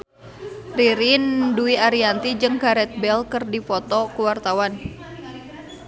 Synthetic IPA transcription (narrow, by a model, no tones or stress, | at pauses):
riɾinduiaɾiant̪id͡ʒɨŋkaɾɛt̪̚bɛlkɨrdifɔt̪ɔkuwart̪awan